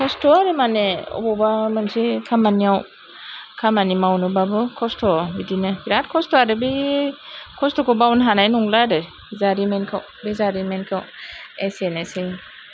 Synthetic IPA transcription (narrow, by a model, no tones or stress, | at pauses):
kʰɔstʰɔaɾɯmaneɔ̰bɔbamansikʰamaniaw | kʰamanimawnɯbabɯkʰɔstʰɔbidinɯbiɾat̚kʰɔstɔaɾɯbi | kʰɔstɔkɔbawnɦanajnuŋladɯ | zaɾimenkʰaw | bizaɾimenkʰawesenesi